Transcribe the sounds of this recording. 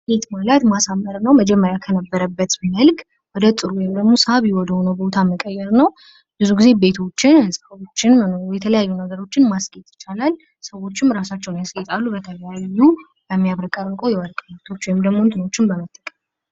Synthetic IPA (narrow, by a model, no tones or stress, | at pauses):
et̪malət̪masamːəɾnəwməd͡ʒɛmːəɾjakʰənəbːəɾəbːət̪mɨnəlɡ | wɔd̪ət̪ʼɨɾuwɔjɪmd̪əɡmo̞saβjiwɔd̪əho̞nəwbo̞t̪ʰaməkʼəjːɛɾnəw | bɨzuɡize̞be̞t̪ʰo̞t͡ʃːɪnsəβo̞t͡ʃːɪnjɛt̪ʰələjajːunəɡəɾo̞t͡ʃːɪnmasɡ̥ʼet̪jɪt͡ʃːalal | səwo̞t͡ʃːɪmɾasat͡ʃːɛwnjasɡet̪ʼalːubət̪ʰəljajːu | bəmːijaβɾəkʼəɾɨŋkʷʰʼowjɛwəɾkʼmat̪ʰo̞t͡ʃːwɔjɪmd̪əɡmo̞ɨnt̪ʰɨno̞t͡ʃːɪnbəmət̪ʼːəkʼəm